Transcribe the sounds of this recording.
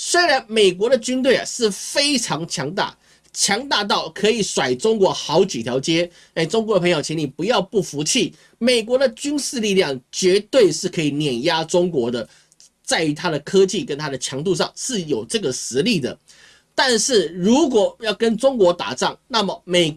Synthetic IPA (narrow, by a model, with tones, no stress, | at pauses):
swe˥ɪɻa˧˥nme˨˩ɪk̬wɔ˧˥ɾə˧t͡ɕy˥nt̪̬we˥˩ɪɐ̰˨˩ʂɻ̩˥˩fe˥ɪʈ͡ʂʰɑ˧˥ŋt͡ɕʰjɑ˧˥ŋt̪a̰˥˩ | t͡ɕʰjɑ˧˥ŋt̪a˥˧t̪̬ɑ˥˩ʊkʰɤ˧˥i˨˩ʂwa˨˩ɪʈ͡ʂʊ˥ŋkwɔ˧˥xɑ˧˥ʊt͡ɕi˨t̪ʰjɑ˧˥ʊt͡ɕjɛ˥ | e˥˩ɪʈ͡ʂʊ˥ŋkwɔ˧˦də˧pʰŋjo˨˩ʊt͡ɕʰɛ˧˥ni˨˩pu˧˥jɑ˥˧ʊpu˥˩fu˧˥t͡ɕʰi˥˩ | me˨˩ɪk̬wɔ˧˥d̪ə˨t͡ɕy˥nʂɻ̩˥˧li˥˧ljɑ˥˩ŋt͡ɕɥɛ˧˥t̪we˥˧ɪʂɻ̩˥˩kʰɤ˧˥i˨˩njɛ˨˩nja˥ʈ͡ʂʊ˥ŋkwɔ˧˥d̪ə˨ | t͡sa˥˩ɪy˧˥t̪ʰa˥ɾə˨kʰɤ˥t͡ɕi˥˩kə˦˥nt̪ʰa˥d̪ə˨t͡ɕʰjɑ˧˥ŋt̪̬u˥˧ʂɑ̰˥˧ŋʂɻ̩˥˩jo˨˩ʊʈ͡ʂɤ˥˩ɡə˩ʂɻ̩˧˥li˥˩d̪ə̰˩ | t̪a˥˧nʂɻ̩˥˩ɻu˧˥kwɔ˨˩jɑ˥˩ʊkə˥nʈ͡ʂʊ˥ŋkwɔ˧˥t̪a̰˨˩ʈ͡ʂɑ˥˩ŋna˥˩mə˩me˨˩ɪ